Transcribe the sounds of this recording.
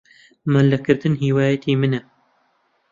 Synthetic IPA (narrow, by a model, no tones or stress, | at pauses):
mɐlːɐkɨɾd̪ɨnɦiːwaːjɐt̪ʰiːmɨnɛ